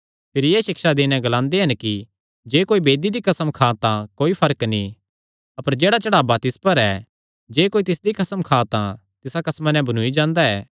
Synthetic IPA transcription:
pʰɪɾijeːʃɪkʃad̪eːnɛ̃ɡɐlãːnd̪eɦɐnki | d͡ʒeːkoːibeːd̪id̪ikɐsəmkʰaːt̪ãkoːipʰɐɾəkni | ɐpəɾd͡ʒeːɽat͡ʃɐɽaːbat̪ɪspɐɾɛː | d͡ʒeːkoːit̪ɪsd̪ikɐsəmkʰaːt̪ã | t̪ɪsakɐsmanɛ̃bɐnuːid͡ʒãːnd̪aɛː

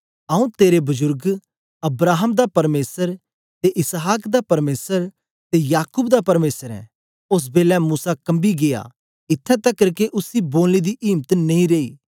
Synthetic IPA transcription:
ɐũt̪eːɾebʊzʊɾɡ | ɐbɾaːɦəmd̪apɐɾmeːsəɾ | t̪eʔɪsɦaːkd̪apɐɾmeːsəɾ | t̪ejaːkuːbd̪apɐɾmeːsəɾɛ̰̃ | ʊs̬beːlɛmuːsakɐ̃mbiɡeja̰ | ɪt̪ʰːɛ̃t̪ɐkːɐɾkeʔʊsiboːlnid̪iʔɪːmt̪nɐĩɾeːḭː

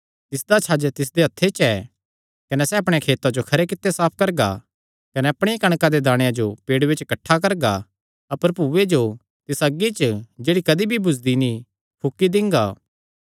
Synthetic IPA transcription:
t̪ɪsd̪at͡ʃʰaːd͡ʒt̪ɪs̬d̪eɦɐt̪ʰːet͡ʃɛː | kɐnɛsɛɐpɽ̃ekʰeːt̪ad͡ʒokʰɐɾekɪt̪ːesaːp̚ʰkɐɾɡa̰ | kɐnɛɐpɽ̃ejakɐɽ̃kad̪ed̪aːɽ̃jãd͡ʒopeːɽʋet͡ʃkɐʈʰːakɐɾɡa̰ | ɐpəɾpuːʋed͡ʒo | t̪ɪsɐɡit͡ʃd͡ʒeːɽikɐd̪ibʱibʱʊsd̪inĩ | pʰʊkːid̪ɪ̃ŋɡaː

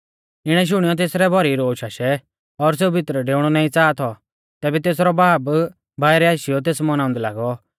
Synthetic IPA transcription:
ɪɽ̃ɛʃ̬ʊɽ̃ijɔt̪̬eːsɾɛbʱɔɾiɾoːʃaʃɛ | ɔɾs̬eːubʱɪt̪ɾəɖeːʊɽ̃ɔnaːĩt͡saːt̪ʰɔ | t̪ɛːbɛt̪eːsɾɔbaːb | bʱaːjɾɛaːʃɪjɔt̪̬eːsmɔnaːʊ̃nd̪ɛla̰ːɡɔ

